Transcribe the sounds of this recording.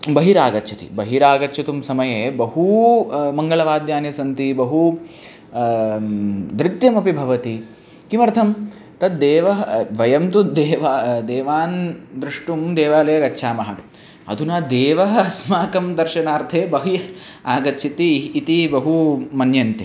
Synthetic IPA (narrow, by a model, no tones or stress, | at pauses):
bɐɦiɾaːɡɐtːt͡ʃʰɐt̪ḭbɐɦiɾaːɡɐtːt͡ʃʰɐt̪umsɐmɐjeːbɐɦumɐŋɡɐɭɐʋaːd̪jaːnjɐsɐnt̪ibɐɦu | d̪ɾit̪jɐmɐpibʱɐʋɐt̪i | kimɐɾt̪ʰɐm | t̪ɐd̪̚d̪eːʋɐɦɐʋɐjɐmt̪ud̪eːʋaːd̪eːʋaːnd̪ɾɪʂʈumd̪eːʋaːlɐjɐɡɐtːʃʰaːmɐɦɐt | ɐ̰d̪unɐd̪eːʋɐɦɐɐsmaːkɐmd̪ɐɾʃɐnaːɾt̪ʰeːbɐɦijɐaːɡɐtːʃʰit̪iːt̪ibɐɦumɐnjɐnt̪e